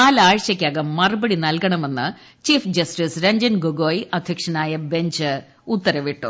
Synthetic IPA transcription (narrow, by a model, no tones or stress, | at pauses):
aːlaːɻɕjɐkʲːaːɣɐmːɐrɨbɐɽinɐlkɐɳɐme̞nːɨ | t͡ɕiːfd͡ʑɐsʈisɾɐɲd͡ʑɐnɡoɡoːjʔɐd̪ʱjɐkʂɐnaːjɐbe̞ɲd͡ʑɨ | ut̪ːɐɾɐʋiʈːu